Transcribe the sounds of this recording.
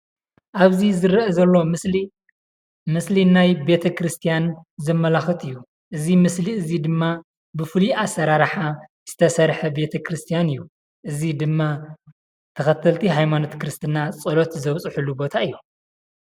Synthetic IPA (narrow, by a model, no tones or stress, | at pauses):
ʔaβzizɨɾɐʔɐzɐlːo̞ | mɨslinajbe̞t̪ʰɐkɾɨst̪ʰijanzɐmːɐlaxɨt̪ʰɨjːu | ʔɨzimɨsliɨzid̪ɨmːa | bɨfɨliasɐɾaɾħa | z̥ɨt̪ʰɐsɐɾħɐbe̞t̪ʰɐkɾɨst̪ʰijanɨjːu | ʔɨzid̪ɨmːa | t̪ʰɐxɐt̪ʰːɐlt̪ʰiɦajmanot̪kɨɾɨst̪ʰɨnat͡sʼɨlo̞t̪zɐβt͡sʼɨħulːubo̞t̪ʰaɨjːo